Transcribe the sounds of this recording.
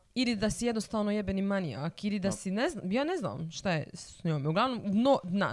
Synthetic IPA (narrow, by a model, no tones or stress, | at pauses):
ilid̪asijɛd̪nost̪aːʋnojebenimanija̰kilid̪asineznːmjaːnezna̰ːmʃt̪ajɛ̰sɲomuɡlˠaʋnomd̪nod̪na̰